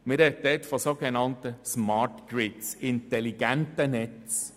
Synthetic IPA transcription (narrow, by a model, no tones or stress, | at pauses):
mɪɾɛd̪ɛtfɔsoːɡɛnɑnt̪əsmɑɹtɡ̥ɾɪtsɪntɛliɡ̥æntənɛtt͡s